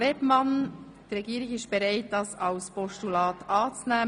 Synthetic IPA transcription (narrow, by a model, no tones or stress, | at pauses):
ɾepmɑn | d̥əɾɛɡiːɾɪçɪʃtb̥ɛɾaɪt̚d̥ɑsɑlspɔʃtulɑːtɑːt͡snæː